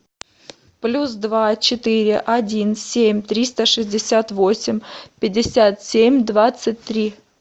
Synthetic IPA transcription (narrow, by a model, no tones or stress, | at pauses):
plʲusd̪vat͡ɕɪt̪ɨɾʲɪʔɐdʲinsʲemʲt̪ɾʲist̪əʂɨzʲdʲɪsʲat̪vosʲɪmʲpʲɪdʲːɪsʲat̪sʲemʲd̪vat̪sɨt̚ʲt̪ɾʲi